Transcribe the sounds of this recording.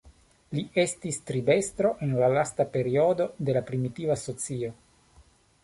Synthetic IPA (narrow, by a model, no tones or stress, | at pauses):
lie̞stist̪ɾibe̞st̪ɾo̞ʔe̞nlalastape̞ɾio̞d̪o̞d̪e̞lapɾimit̪ivaso̞t͡sio̞